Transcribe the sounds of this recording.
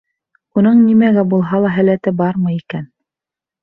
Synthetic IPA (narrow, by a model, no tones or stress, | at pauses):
unɤɴnimæɡæbulˠɦɑlˠɑɦælæt̪ɘbɑɾmɤjikæn